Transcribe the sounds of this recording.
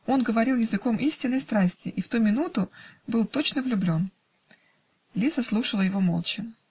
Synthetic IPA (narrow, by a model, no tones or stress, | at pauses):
o̞nɡəvɐɾʲilˠjɪzɨko̞mʔisʲtʲɪnːəjst̪ɾasʲtʲɪʔift̪umʲɪnut̪ʊbɨlˠt̪o̞t͡ɕnəvlʲʊblʲo̞n | lʲisəslˠuʂəlˠəjɪvo̞mo̞lˠt͡ɕɪ